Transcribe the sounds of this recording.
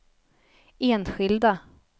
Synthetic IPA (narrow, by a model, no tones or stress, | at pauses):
eːnɧɪld̪a